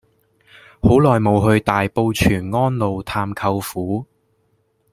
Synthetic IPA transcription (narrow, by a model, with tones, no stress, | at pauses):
ho˨˥wlɔː˨jmo˨˧wɦɵ˧ɥt̪aː˨jpo˧wt͡ʃʰyː˨˩nŋɔː˥nlo˨˧wt̪ʰaː˧mkʰɐ˧wfuː˨˥